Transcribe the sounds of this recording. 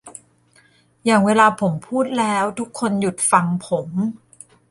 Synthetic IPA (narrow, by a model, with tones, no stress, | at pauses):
jaː˨˩ŋweː˧laː˧pʰo˩˦mpʰuː˥˩t̪̚lɛː˦˥wt̪ʰu˦˥kʰːo˧nju˨˩t̪̚fa˧ŋpʰo˩˦m